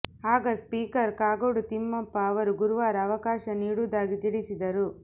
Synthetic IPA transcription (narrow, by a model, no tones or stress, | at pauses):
ɦaːɡɐspiːkɐɾkaːɡoɽut̪imːɐpːɐːʋɐɾuɡuɾuʋaːɾɐːʋɐkaːʃɐniːɽuːd̪aːɡid͡ʒ̪iɽisid̪ɐɾu